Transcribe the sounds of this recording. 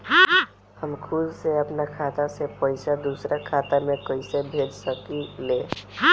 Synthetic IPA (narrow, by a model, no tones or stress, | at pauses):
həmkʰud͡ʒseəpnakʰaːt̪asepəɪsad̪usɾakʰaːt̪amẽkəɪsebʱed͡ʒsəkile